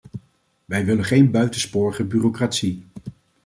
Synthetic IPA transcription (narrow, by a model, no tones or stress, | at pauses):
ʋɛjʋɪləχejnbœɥtənspʊːɹəχəbyːrokraːtsi